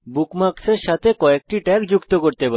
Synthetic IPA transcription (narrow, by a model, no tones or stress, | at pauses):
bukmakseɾʃat̪ʰekɔek̚ʈiʈɛkd͡ʑukt̪okoɾt̪epa